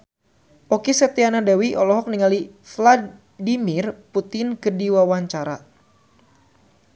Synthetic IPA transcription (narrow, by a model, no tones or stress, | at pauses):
ɔkisɛt̪ianadawiʔɔlɔɦɔk̚niŋali | fla | dimɪrput̪ɪnkədiwawaɲt͡ʃaɾa̰